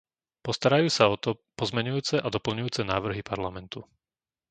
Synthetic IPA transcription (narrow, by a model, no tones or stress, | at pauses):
pɔst̪aɾajuːsaɔt̪ɔpɔzmɛɲujuːt͡sɛʔad̪ɔpl̩ɲujuːt͡sɛnaːʋr̩ɦipaɾlamɛnt̪u